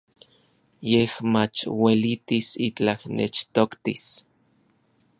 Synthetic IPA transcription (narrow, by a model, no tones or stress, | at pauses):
jehmat͡ʃwelit̪isit͡ɬahnḛt͡ʃt̪okt̪ḭs